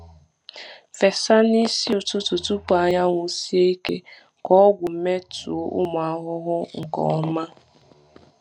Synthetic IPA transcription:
fe˨sa˦ni˦si˦ʊ˨tʊ˦tʊ˨tu˦pa˨ɲa˦ŋʷu˨si˦e˦i˦kḛ˦ | kɔ˦ɡʷʊ˨m̩˦me˦tṵ˨o˦ʔʊ̰˦mʊ˨a˨ɦʊ˦ɦʊ˦ŋ̩˨kɔ̰˨ɔ˦ma˦

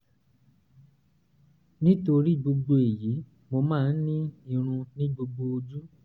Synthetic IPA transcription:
nĩ˦to˧ɾi˦˨ɡ͡bo˧ɡ͡bo˧e˨ji˨˦ | mo˧mãː˦˧n̩˦nĩ˦i˦˧˨ɾ̃ũ˧nĩ˦ɡ͡bo˧ɡ͡bo˧o˧d͡ʒu˦

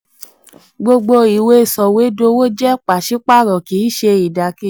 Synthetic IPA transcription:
ɡ͡bo˧ɡ͡bo˧i˨we˧˨sɔ˨we˨˦do˧˦wo˦d͡ʒɛ˦˨k͡pa˨ʃi˦k͡pa˦˨ɾɔ˨ki˨˦ʃe˧i˨da˨ki˦

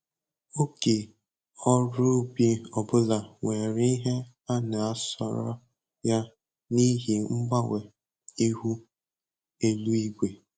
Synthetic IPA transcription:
o˦ke˨ | ɔ˦ɾʊ˦bi˦ɔ˨bʊ˦la˨ŋʷe˨ɾi˦ɦe˦ | a˦na˨a˦sɔ̰˦ɾɔ̰˦ | ja˦ | ni˦ɦi˨ŋ͡m̩˦ɡ͡ba˦we˨ | i˦ɦu˦ | e˦lu˦i˦ɡʷe˨

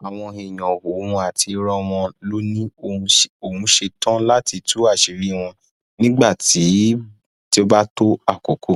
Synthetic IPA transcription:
a˨w̃ɔ̃˧e˨j̃ɔ̃˨wo˨˦ũ˧a˨tʰi˧ɾɔ̃˦w̃ɔ̃˧lo˦nĩ˦õ˨˧o˨ũ˨˦ʃe˧tɔ̃˦la˦ti˧tu˦a˦˨ʃi˨ɾi˦˨w̃ɔ̃˧ | nĩ˦ɡ͡ba˦˨ti˨˦ | ti˦o˧˦ba˦to˦a˦˨ko˨kʰo˨

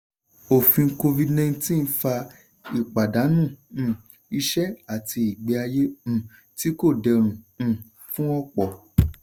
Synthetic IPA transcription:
o˨fĩ˧˦ko˧vi˧dnã˧˦tĩ˦˨˦fa˧ | i˨k͡pa˨da˨˦nũ˦˨ | i˧ʃɛ˦a˦˨tʰi˧i˨ɡ͡bɛ˧a˧je˦m̩̃˨ | ti˦ko˦˨dɛ˧ɾ̃ũ˨ | fũ˦ɔ˦k͡pɔ˨

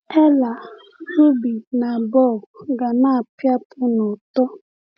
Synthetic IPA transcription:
ɛ˦la˨ | ɾu˦bi˨na˨bɔ˦˨ɡa˨na˦˨pja˦pʊ˦nʊ˨tɔ˦

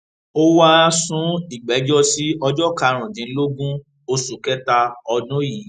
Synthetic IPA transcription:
o˦wa˦˧sũ˨˦i˨ɡ͡bɛ˨˦d͡ʒɔ˦si˦ɔ˧d͡ʒɔ˦ka˨˧ɾ̃ũ˨dĩ˨˦lo˦ɡũ˦ | o˧su˨kɛ˦ta˧ɔ˧dũ˦ji˨˦

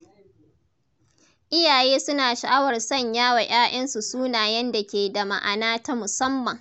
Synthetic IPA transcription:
ʔɪ˦jaː˨jeː˦sʊ˦naː˨ʃa˨ʔa˦wɐ˨rsɐ˦˨ɲjaː˦wa˨ʔʲj̰aː˦ʔɐ˦nsu˨suː˦naː˨jɐ˦nda˨kʲeː˨da˨ma̰˨ʔa̰˨naː˦ta˦mʊ˨sɐ˦mːɐ˨ŋ

